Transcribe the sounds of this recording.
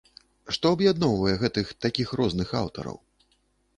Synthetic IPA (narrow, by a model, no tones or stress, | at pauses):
ʂt̪ɔɐbjad̪nɔwvɐjɛɣɛt̪ɨxt̪akʲixɾɔznɨxa̰wt̪ɐ̰ɾɐ̰w